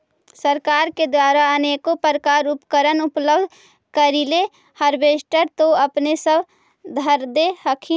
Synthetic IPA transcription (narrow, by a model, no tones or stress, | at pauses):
səɾkaːɾked̪waːɾaəneːkopəɾəkaːɾʊpkəɾənʊpləbd̪ʱ | kəɾile | həɾbeːsʈəɾt̪oəpnesəb | d̪ʱəɾd̪ehəkʰi